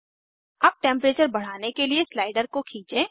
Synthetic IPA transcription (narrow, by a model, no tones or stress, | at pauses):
aːp̚ʈɛ̃mpɾeːt͡ʃəɾbɐɽ̤aːnekelieslaːɪɖəɾkokʰĩːt͡ʃẽː